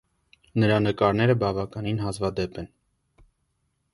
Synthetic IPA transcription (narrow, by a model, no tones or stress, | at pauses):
nəɾɑnəkɑɾnɛɾəbɑvɑkɑninɦɑzvɑd̪ɛpɛn